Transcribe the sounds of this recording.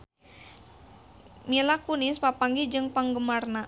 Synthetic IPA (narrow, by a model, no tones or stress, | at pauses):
milakunispapaŋɡid͡ʒɨŋpaŋɡəmarna